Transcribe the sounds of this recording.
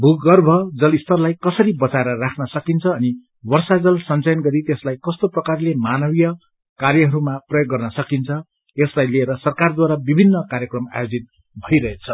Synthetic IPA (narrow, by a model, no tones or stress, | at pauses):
bʱukɡʌrbʱʌd͡zʌlist̪ʌrlajkʌsʌɾibʌt͡saeɾʌrakʰnʌsʌkint͡sʰʌːni | wʌrsad͡zʌlsʌnt͡sʌjʌnɡʌɾit̪eslajkʌst̪oprʌkarlemanʌbijʌ | karjʌɦʌɾumaprʌjoɡːʌrnʌsʌkint͡sʰʌ | eslajlieɾʌsʌrkard̪waɾabibʱinːʌkaɾjʌkrʌma̰jod͡zit̪̚ | bʱʌjɾʌɦet͡sʰʌ